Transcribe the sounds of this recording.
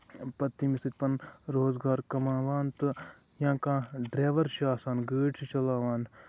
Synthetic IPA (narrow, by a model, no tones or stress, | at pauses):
pɐt̪ːimisɨt̪̚ʲpɐnɾoːzɡaːɾkɐmaːʋaːnt̪ɨ | jãːkãːɖɾeːʋɐɾʃaːsaːnɡəːʈsit͡ʃɐlaːʋaːn